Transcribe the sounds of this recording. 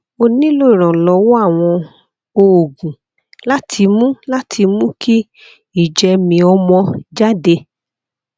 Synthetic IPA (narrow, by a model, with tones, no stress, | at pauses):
o˧nĩ˦lo˦i˨ɾ̃ɔ̃˨lɔ˨˦wo˦a˦˨w̃ɔ̃˧ | o˨ɡũ˨ | la˦tʰi˧mũ˦la˦tʰi˧mũ˦ki˦ | i˦˨d͡ʒɛ˧mĩ˧ɔ˧mɔ̃˧d͡ʒa˦de˧